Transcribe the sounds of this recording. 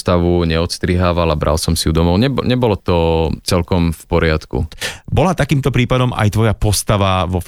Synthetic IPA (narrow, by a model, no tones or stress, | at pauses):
t̪aʋuɲɛɔt̪st̪ɾiɦaːʋalabɾʔa̰lsɔmsiud̪ɔmɔʊɲɛbɲɛbɔlɔt̪ɔt͡sɛlkɔmfpɔɾɪat̪kṵbɔlat̪akiːmt̪ɔpɾiːpad̪ɔmʔa̰jt̪ʋɔjapɔst̪aʋaʋɔf